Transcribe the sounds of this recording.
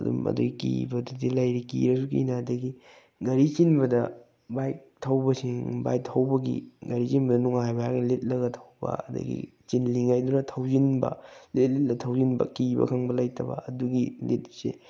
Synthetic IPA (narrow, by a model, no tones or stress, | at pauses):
ɐdṵmɐ̰duɡikibɐdudilɐjɾikḭɾɐsukḭnadɐɡi | ɡɐɾit͡ʃinbɐdɐ | bajk̚tʰɐwbɐsiŋba̰jk̚tʰɐwbɐɡḭɡɐɾit͡ʃinbɐdɐnuŋajbajaknɐlet̚lɐɡɐtʰɐwbɐ̰ɐdɐ̰ɡḭt͡ʃinliŋajdunɐtʰawzinbɐ̰let̚let̚lɐtʰɐwzinbɐ̰kibɐ̰kʰɐŋbɐlɐjtʰɐbɐ̰ɐduɡilet̚sḛ